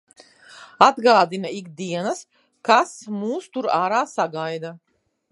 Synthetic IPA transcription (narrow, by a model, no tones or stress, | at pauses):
ad̪ɡaːd̪inaiɡd̪iɛnas | kasmuːst̪uɾaːɾaːsaɡajd̪a